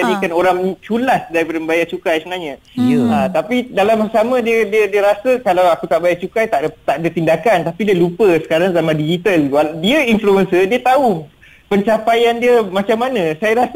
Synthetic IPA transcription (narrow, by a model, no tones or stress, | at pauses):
anikanoɾaŋt͡ʃulasdaɾipadambajat͡ʃukajsəənaɲã | ət̪apidalamsamə̃diədiədiəɾasəkalawakut̪aʔbajat͡ʃukajt̪aʔt̪aʔdət̪indakant̪apidiəlupəsə̥kaɾaŋzamãndid͡ʒit̪alwadiəinfluənsədiət̪au | pəɲt͡ʃapajandiəmãt͡ʃamːanãsajaɾas